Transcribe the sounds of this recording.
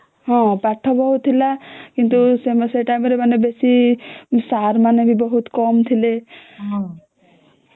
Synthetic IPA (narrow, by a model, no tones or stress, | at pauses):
ɦɔ̃paʈʰːɔbɔɦut̪ʰːilakint̪usemaseʈajmɾemanebesi | saɾmanebʱibɔɦut̪kɔmt̪ʰileɦɔ̃